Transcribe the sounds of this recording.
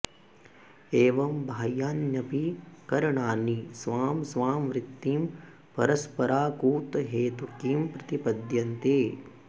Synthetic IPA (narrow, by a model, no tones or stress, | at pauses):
eːʋɐmbʱaːjaːnjɐpikɐɾɐɳaːnisʋaːmsʋaːmʋɾɪt̪ːiːm | pɐ̰ɾɐspɐɾaːkuːt̪ɐɦeːt̪ukiːmpɾɐt̪ipɐd̪jɐnt̪eː